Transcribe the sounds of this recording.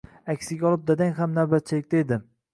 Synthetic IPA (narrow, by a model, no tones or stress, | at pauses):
akʲsɪɡʲaɒlˠɪp̚d̪ad̪aŋɦamnaɾbat̪̚t͡ʃʰɪlɪkʲt̪aed̪ɪm